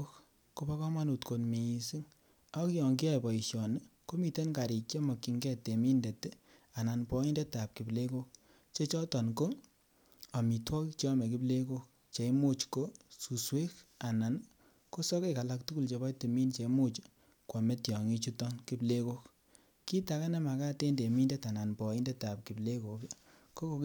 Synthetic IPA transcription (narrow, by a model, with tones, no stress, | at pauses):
k | ko˦pa˦kɔ˦ma˦nu˨tko˨nmi˨i˨si˦ŋ | a˦kijɔ˨ŋɡi˦a˦pɔ˨i˨ʃɔ˨n˦ko˦mi˨te˦nka˨ɾi˨t͡ʃe˦mɔ˨kːi˨ŋɡɛ˦te˨mi˦nde˨te˦a˨na˨npɔ˦i˦nde˦ta˨p̚ki˨ple˦ko˦k̚ | t͡ʃe˦t͡ʃɔ˦tɔ˨nko˦ | a˨mi˨twɔ˦kt͡ʃɔ˦mɛ˨k̬i˦ble˦ko˦k̚ | t͡ʃe˨jmo˦t͡ʃko˦su˨swe˦ka˨na˨n | ko˦sɔ˦ke˦ka˨la˧k̚tu˦ku˦lt͡ʃe˨ba˦jte˨mi˦nt͡ʃe˨˧˦mu˦˨t͡ʃ | kwa˨me˦tjɔ˨ŋi˧t͡ʃu˦tɔ˦nki˦ble˦ko˦k | ki˦ta˨ka˦ne˦ma˨ka˦te˦nde˨mi˦nde˦ta˨na˨npɔ˨i˦nde˦ta˨p̚ki˨ple˦ko˨k | ko˦ko˧